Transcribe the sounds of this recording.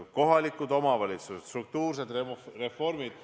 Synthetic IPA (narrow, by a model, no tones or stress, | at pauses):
ko̞ɦɑlikːˑud̪o̞mɑvɑlʲit̪suset̪st̪ruk̚t̪uːrse̞d̪rere̞fo̞rmid̪̥